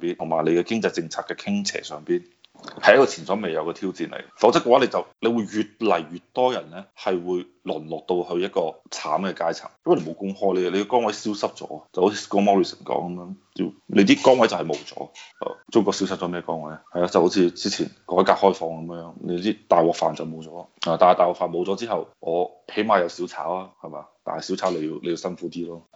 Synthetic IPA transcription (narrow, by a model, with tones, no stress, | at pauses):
piː˥nt̪ʰʊ˨˩ŋmaː˨˩jle˨˧jkɛ˧kɪ˥ŋt͡sɐ˧jt͡sɪ˧ŋt͡sʰaː˧t̚kɛː˧kʰɪ˥ŋt͡sʰɛ̰ː˨˩sœː˨˧ŋpiː˥n | hɐ˨˦jɐ˥kɔː˧t͡sʰiː˨˩nsɔː˨˥ŋme˨jɐ˨˧wkɛː˧t̪ʰiː˥wt͡siː˨nlḛ˨˩jfɐ˨˥wt͡sɐ˥kːɛ˧waː˨˥le˧jt͡sɐ˨wle˨˧wuː˨˧jɥyː˨t̚lɐ˨˩jɥyː˨˩t̚t̪ɔː˥jɐ˨˩nlɛː˥hɐ˨jwuː˨˧j | lʊ˨˩nlɔː˨˩k̚t̪o˧whɵ˧ɥjɐ˥t̚kɔː˧t͡sʰa̰ː˨˥mkɛː˧kaː˥jt͡sʰɐ̰˨˩ŋjwle˧˩mo˨˧wkʊ˥ŋhɔː˥jle˨˧jle˨˧kɛ˧kɔː˥ŋwɐ˨˥jsi˥wsɐ˥p̚t͡sɔ̰ː˨˥˨t͡sɐ˨who˨˥t͡sʰiː˧skoː˥wmɔː˥ɹi˨˩sə˨˩nkɔ̰ː˨˥ŋkɐ˨˦mjœː˧˥ŋt̪ḭ˧˩le˧jt̪iː˥kɔː˥ŋwɐ˨˥jt͡sɐ˨whɐ˨jmo̰˨˧wt͡sɔ̰ː˨˥hɐ̰˨˩t͡sʊ˥ŋkɔː˧ksi˧˥wsɐ˥p̚t͡sɔ˨˦mɛː˥˩kɔː˥ŋwɐ˨˥jhɐ˨jaː˧˩t͡sɐ˨who˨˥wt͡sʰiː˧t͡siː˥t͡sʰḭː˨˩nkɔː˨˥jkaː˧k̚hɔː˥jfɔː˧ŋkɐ˨˦mjjœː˨˧˥ŋle˨˧t̪iː˥t̪aː˨jwɔː˨k̚fa̰ː˨nt͡sɐ˨wmo˨˧wt͡sɔː˨˥la˧ht̪aː˨jt̪aː˨˩wɔː˨kfaː˨nmo˨˧wt͡sɔ˨˧˥t͡siː˥ɦɐ˨wŋɔː˨˧ | he˨˥jmaː˧jɐ˧wsi˨˥wt͡sʰa̰ː˨˥waː˥hɐ˨˩ma˨˩t̪a̰ː˨nhɐ˨jsi˨˥wt͡sʰaː˨˥le˧ji˧wle˨˧ji˧wsɐ˥nfuː˨˥t̪iː˥lɔː˥